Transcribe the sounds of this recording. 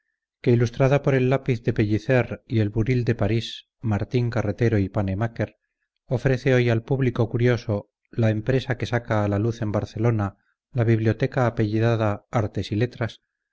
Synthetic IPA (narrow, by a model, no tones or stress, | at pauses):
ke̞ilust̪ɾaðapo̞ɾe̞lːapiθðe̞peʎiθe̞ɾie̞lβuɾild̪e̞paɾis | maɾt̪iŋkare̞t̪e̞ɾo̞ipane̞make̞ɾ | o̞fɾe̞θe̞o̞jalpuβliko̞kuɾjo̞so̞ | lae̞mpɾe̞sake̞sakaːlaluθe̞mbaɾθe̞lo̞na | laβiβljo̞t̪e̞kaːpe̞ʎiðaðaaɾt̪e̞sile̞t̪ɾas